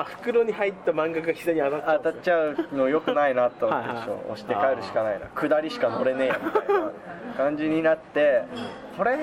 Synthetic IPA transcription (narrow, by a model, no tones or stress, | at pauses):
aɸɯ̟̥kɯ̟ɾoɲ̟ihait̪ːamãŋɡakɯçʲizoɲiat̪aat̪at͡ɕaɯ̟no̞jo̞kɯ̟nainat̪ːomeo̰ːo̰ɕi̥t̪e̞kaeɾɯ̟ɕi̥kanaina̰kɯ̟d̪aɾʲiɕi̥kano̞ɾe̞nẽ̞ja | kãɲ̟d͡ʑiɲ̟inat̪ːe̞ | ko̞ɾe